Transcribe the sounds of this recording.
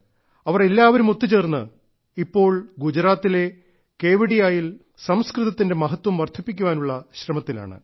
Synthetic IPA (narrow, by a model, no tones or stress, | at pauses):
ɐʋɐrelːaːʋɐɾumo̞t̪ːit͡ɕe̞ːrnːɨ̰ | ipːo̞ːɭɡud͡ʑɐɾaːt̪ːile̞ | ke̞ːʋiɽijaːjil | sɐmskrɨðɐt̪ːinde̞mɐɦɐt̪wɐmʋɐrt̪ʰːipːikʲːuʋaːnuɭːɐɕrɐmɐt̪ːila̰ːɳɨ̰